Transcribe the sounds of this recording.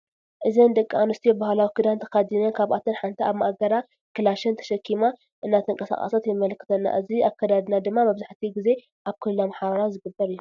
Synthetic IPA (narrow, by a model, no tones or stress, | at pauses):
ʔɨzɐnd̪ɐkʼːianust̪ʰobahalawikɨd̪ant̪ʰɐ̥kad̪inɐnkʰaβat̪ʰɨnħant̪ʰiʔaβmaʔaɡɐɾa | kʰɨlaʃɐnt̪ʰɐ̥ʃɐkʰːima | ʔɨnːat̪ʰɨŋkʼɐsa̰χʼa̰sat̪jɛmɐlkʰːɨ̥t̪ʰɐnːa̰ʔɨziakʰːɐd̪ad̪nad̪ɨmːamɐβzaħt̪ʰiɡize̞ | ʔaβkʰɨlːomħaβɐɾawzɨɡɨbːɐɾɨjːu